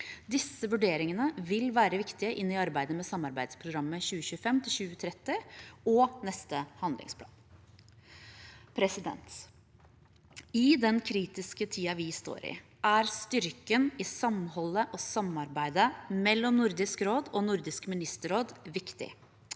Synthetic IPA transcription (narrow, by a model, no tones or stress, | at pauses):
d̪ɪsːəʋʉɖeːɾɪŋənəʋɪlʋæːɾəʋɪkt̪ɪəʔɪnːɪɑɾbæɪd̪əmɛsɑmɑɾbæɪd̪spʰɾʊɡɾɑmːəçʉːəɕʉːfɛmt̪ʰɪlɕʉːət̪ʰɾɛt̪ːɪɔnɛst̪əhɑnd̪lɪ̰ŋspʰlɑ̰ːn | pʰɾɛsɪd̪ɛ̰nt̪ | ɪd̪ɛnkʰɾiːt̪ɪskət̪ʰiːɑʋɪst̪o̰ːɾɪ̰ | ʔæɾst̪ʏɾkənɪsɑmhɔlːəʔɔsɑmːɑɾbæɪd̪əmɛlːɔmnʊɾd̪ɪskɾoːd̪ɔnʊɾd̪ɪskmɪnɪst̪əɾoːd̪ʋɪkt̪ɪ̰